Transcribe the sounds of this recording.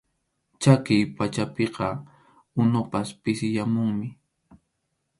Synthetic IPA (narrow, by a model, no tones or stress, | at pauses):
t͡ʃakɪjpat͡ʃapeqɑ | ʊnʊpaspɪsɪjamʊŋmɪ